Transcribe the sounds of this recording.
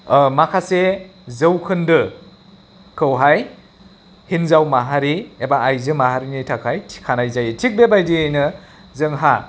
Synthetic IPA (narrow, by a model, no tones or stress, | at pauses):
makʰasezɯwkʰɯndɯ | kʰɯwɦaj | hinzawmaɦaɾiebaajzɯmaɦaɾinitʰakʰajtʰi̥kʰanajzajitʰik̚bebajdiejnɯ | zɯŋɦa